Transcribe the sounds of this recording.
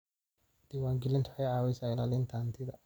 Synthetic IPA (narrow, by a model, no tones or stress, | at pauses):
d̪̥iwaːŋɡɪlɪnt̪ʰʊħɛjʕaːwɪsaɪlaːlɪnt̪ʰaːnt̪ʰɪðɐ